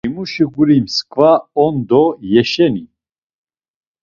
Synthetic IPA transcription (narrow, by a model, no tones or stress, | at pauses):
imuʃiɡuɾimskʼvaɔnd̪ɔjɛʃɛni